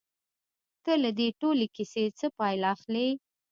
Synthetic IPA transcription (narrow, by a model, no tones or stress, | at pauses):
kəlad̪eʈolekiset͡səpɑjlaxle